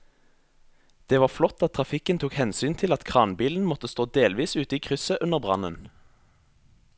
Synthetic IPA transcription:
d̪̥eːʋɑːʁflɔt̪ːɑt̪̚ʰʁɑfɪkənt̪ʰuːkhɛnsyːnt̪ʰɪlɑt̪kʰʁɑːnbiːln̩mɔt̪əst̪oːd̪eːlʋiːsʉːt̪əiːkʰʁʏsəʔʉnəʁbʁɑ̰nən

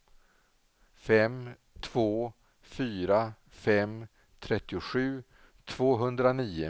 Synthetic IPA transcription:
fɛm | t̪ʰv̥oː | fyːɾa | fɛm | t̪ʰɾɛt̪ːɪʊɧʉ̟ː | t̪ʰvoːɦɵnd̪ɾaniːʊ̰

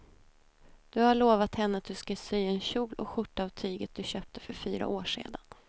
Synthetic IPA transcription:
d̪̥ɵhaɭoːvat̪hɛnːəat̪̚d̪ɵskasyːɛnɕuːlʔɔ̰ɧʊʈːaːvt̪ʰyːɡət̪̚d̪ɵɕøːp̚t̪ə̥fœɾfyːɾa̰ʔoːʂḛːd̪an

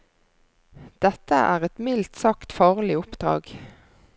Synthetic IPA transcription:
d̪̥ɛt̪əʔæːʁɛt̪mɪlt̪sɑkt̪fɑːʁlɪʊpd̪ʁɑ̰ːɡ

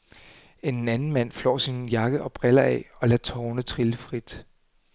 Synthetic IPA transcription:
e̝nnænn̩mæn̰flɒ̰ːsinjɑ̈ɡ̥əʔɒ̽b̥ʁɛlɐɛ̰ːɒ̽læ̥t͡sʰɒːnət͡sʰʁiləfʁid̥

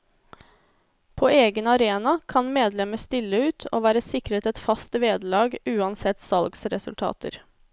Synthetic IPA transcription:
pʰoːeːɡənɑɾeːnɑkʰɑnmeːd̪lɛməst̪ɪlːəʉːt̪ʰo̰ːʋæːɾəsɪkɾət̪ɛt̪fɑst̪ʋeːd̪lɑːɡʉːɑnsɛt̪sɑlɡsɾɛsʉ̰lt̪ʰɑ̰ːt̪ə̰ɾ

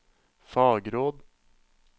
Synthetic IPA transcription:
fɑːɡɾoːd̪

